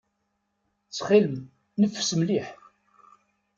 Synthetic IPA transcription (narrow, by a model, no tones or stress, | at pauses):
t͡sːχiləm | nəfsəmliħ